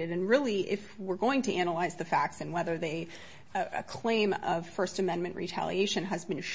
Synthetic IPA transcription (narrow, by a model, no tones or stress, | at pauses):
ɨɾɨ̃nɹɪlˠiʔɪfwɪɹɡoʊɪ̃ŋtʰɨænəlaɪzðɨfæk̚tsɨ̃nwɛðə˞ðeɪ | ɨ̰kʰl̥ẽɪ̃mʌv̥fɜ˞stɨmɛ̃nmɨ̃nʔɹḭtʰæ̰lˠḭeɪʃɨ̃nɨzbɨ̃nʃ